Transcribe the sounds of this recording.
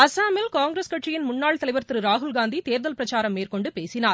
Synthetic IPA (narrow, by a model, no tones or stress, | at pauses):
ɐsaːmɪlkaːŋɡɾɐskɐʈrɪjɪnmʊɳːaːɭt̪ɐlɐɪʋɐɾt̪ɯɾɯɾaːɦʊlɡaːnd̪it̪eːɾðɐlpɪɾɐt͡ʃaːɾɐmːeːrkɔɳɖɯpeːsɪnaːɾ